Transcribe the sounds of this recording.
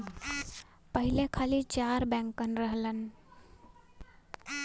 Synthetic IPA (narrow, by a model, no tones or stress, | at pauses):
pəɦilekʰalit͡ʃaɾbɛ̃ŋkənɾəɦlən